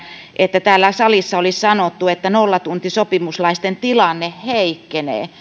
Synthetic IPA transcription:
ʔet̪ːæt̪æːlːæsɑlisːɑolissɑnot̪ːuet̪ːænolːɑt̪unt̪isopimuslɑist̪ent̪ilɑnːehheikːenḛː

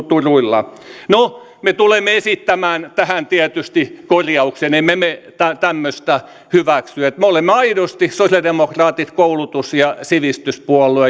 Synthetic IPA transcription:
t̪uruilːɑ̰no | met̪ulemːeesit̪ːæmæːnt̪æhænt̪iæt̪yst̪ikorʲjɑukseneimːemet̪æt̪æmːøst̪æ | hyʋæksyæet̪meolemːeɑiɾost̪isosjɑldemokrɑːt̪it̪koulut̪usjɑsiʋist̪yspuɔlːˑue

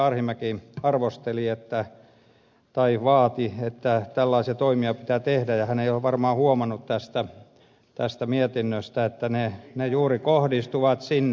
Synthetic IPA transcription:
ɑrhimækiɑrʋost̪eliet̪ːæ | t̪ɑiʋɑːt̪iet̪ːæt̪ælːɑisiɑt̪oimiɑpi̥t̪æːt̪ehdæjɑhæneijoʋɑrmɑːhuomɑnːut̪t̪æst̪æ | t̪æst̪æmiet̪inːøst̪æet̪ːænenejuːrikohdist̪uʋɑt̪sinː

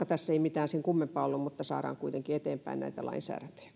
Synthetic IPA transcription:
ɑt̪æsːeimit̪æːnseŋkumːempɑːolːummut̪ːɑsɑ̰ːɾɑ̰ːŋkuit̪eŋkiet̪eːmpæinnæ̰it̪ælɑ̰insæ̰ːræt̪ø̥j̥æ̥

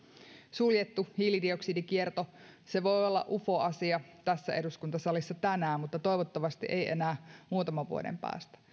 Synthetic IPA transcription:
suljet̪ːuhilidio̞ksidikiert̪ose̞ʋo̞jolːɑ̰ʔufo̞ɑsiɑt̪æsːæe̞duskunt̪ɑsɑlisːɑt̪ænæːmmut̪ːɑt̪o̞jʋot̪ːɑʋɑst̪iʔejʔe̞̰næːmuːt̪ɑmɑʋʋṵode̞̰mpæ̰ːst̪æ̥

